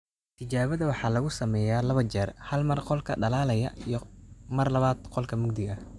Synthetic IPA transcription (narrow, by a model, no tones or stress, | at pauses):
t̪ʰɪt͡ʃaːβɐðɐwɑħɑːlɐɣʊsɐmɛːjaːlɐβɐt͡ʃɛːrhɐlmɐrqɔlkʰɐɖɐlaːlɐjɐijɞmɐrlɐβaːd̪qɔlkʰɐmʊɡ̚d̪ɪɣɐ